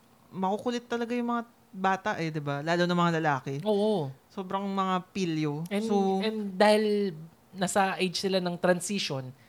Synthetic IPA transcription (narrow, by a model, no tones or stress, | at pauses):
mɐkukʊlɛt̪ːɐlɐɡajʊŋmɐŋa | baːt̪ɐʔɛd̪ɪbalaːlonɐŋmɐŋalɐlaːkɛʔoːʔoso̞ːbɾɐŋmɐŋapiljoɛsoɛnd̪aːhɪl | nasɐʔejd͡ʒsɪlanɐŋt̪ɾɐnsiʃon